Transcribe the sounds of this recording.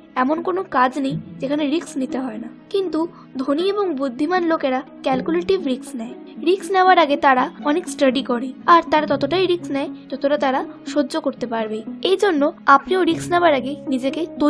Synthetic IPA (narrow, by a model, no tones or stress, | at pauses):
ɛmonkonokad͡ʑnejd͡ʑekʰaneɾiksnit̪eɦɔenakint̪u | d̪ʱonieboŋbud̪ʱːimanlokeɾakɛlkuleʈibɾiksnɛe | ɾiksnɛoaɾaɡet̪aɾaɔneksʈəɖikɔɾeaɾt̪aɾat̪ɔt̪oʈajɾiksnɛet̪ɔt̪oʈat̪aɾaʃodːokoɾt̪epaɾbeejd͡ʑonːoapnioɾiksnɛoaɾaɡenid͡ʑeket̪o